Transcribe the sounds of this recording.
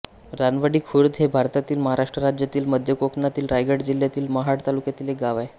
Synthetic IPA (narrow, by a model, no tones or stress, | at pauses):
ɾanʋaɽiːkʰuɾd̪ɦebʱaɾt̪at̪iːlməɦaɾaʂʈɾəɾad͡ʑjat̪iːlməd̪ʱjəkoknat̪iːlɾajɡəɽd͡ʑil̤jat̪iːlməɦaɽt̪alukjat̪iːleɡaʋaj